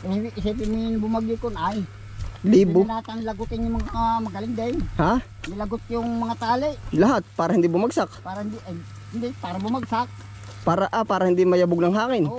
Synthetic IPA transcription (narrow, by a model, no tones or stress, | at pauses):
ʔɛpʔsɛpɪmʊnbʊmaɡɪkonaj | liːbbonaːt̪aŋlɐɡʊt̪ɪnjʊmɐŋamɐɡɐlɪŋd̪ajha | nɪlɐɡʊt̪̚jʊŋmɐŋat̪aːlɪʔlɐɦat̪̚paːɾɐhɪnd̪ibʊmaɡsak̚paːɾɐhɪnd̪ɪʔ | hɪnd̪ɪpaːɾɐbʊmaɡsak̚ | paːɾaʔapaːɾɐhɪnd̪imɐjabʊɡ̚nɐŋɦaːkɪn